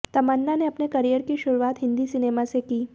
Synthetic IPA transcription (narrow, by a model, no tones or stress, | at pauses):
t̪əmanːaneapnekəɾijəɾkiːɕuɾuʋat̪ɦind̪iːsinemasekiː